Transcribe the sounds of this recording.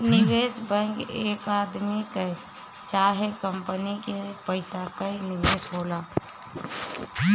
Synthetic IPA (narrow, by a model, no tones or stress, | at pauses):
nɪʋeːsbə̃ŋɡeːkaːd̪mike | t͡ʃaːɦekəmpənikepəɪsakənɪʋeːsɦoːla